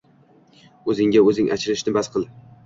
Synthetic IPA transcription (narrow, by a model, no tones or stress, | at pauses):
ɵzɪŋɡʲaɵzɪŋʔa̰t͡ʃʰɪɾɪʃnɪbasqʰɨlˠ